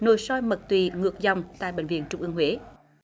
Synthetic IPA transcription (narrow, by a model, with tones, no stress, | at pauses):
no˨˩jsɔ˧jmə˨˩k̚t̪wi˧˩ŋɨ˨˩ək̚za˨wŋ͡mt̪a̰ː˧˨jɓḛ˧˨ŋ̟vḭ˧˨ənt͡ɕʊ˧ŋ͡mʔɨ˧əŋhwe˨˦